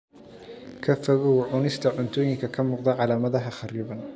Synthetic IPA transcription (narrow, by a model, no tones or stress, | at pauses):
kʰɐfɐɣɔwʕʊnɪst̪ʰɐʕʊnt̪ʰɔːjɪŋkʰɐkʰɐmuːqd̪ɐʕɑlaːmɐðɐɦɐχɑriːβɐn